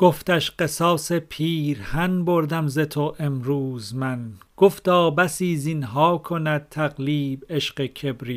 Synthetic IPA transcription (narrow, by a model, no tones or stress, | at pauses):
ɡ̥oft̪æʃɢesɒːsepʰiːɾhænboɾd̪æmzet̪ʰoʔemɾuːzmænɡ̥oft̪ɒːbæsiːzinɦɒːkʰonæd̪̚t̪ʰæɣliːbeʃɢecʰebɾiː